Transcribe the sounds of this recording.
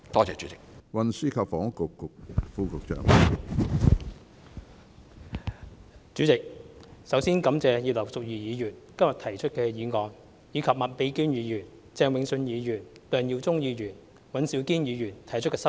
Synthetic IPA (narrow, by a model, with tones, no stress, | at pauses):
t̪ɔː˥t͡sɛ̰ː˨˩t͡ʃy˨˦˥t͡sɪ˨k̚wɐ˨nsyː˥kʰɐ˨p̚fɔː˨˥ŋkʊ˨kːʊ˨k̚fuː˥kʊ˨k̚t͡ʃœ̰ː˧˨ŋ | t͡syː˨˥t͡sɪ˨k̚sɐ˨˥wsiː˥nkɐ˨˥mt͡sɛː˨˧jiː˧wlɐ˨˩wsʊ˨k̚jiː˨jiː˨˧jyː˨˩nkɐ˥mjɐ˨˩t̪ʰɐ˨˩jt͡ʃʰɵ˥t̚kɛː˧jiː˨˧ŋɔː˨˧ŋ | jiː˨˧kʰɐ˨p̚mɐ˨t̚pe˧jkyː˥njiː˨˧jyː˨˩n | t͡sɛː˧ŋwɪ˨˧ŋsɵ˧njiː˨˧jyː˨˩nt̪œː˨ŋji˧wt͡sʊ˥ŋjiː˨˧jyː˨˩n | wɐ˨˥nsiː˨˥wkiː˥njiː˨˧jyː˨˩nt̪ʰɐ˨˩jt͡ʃʰɵ˥kɛː˧sɐ˥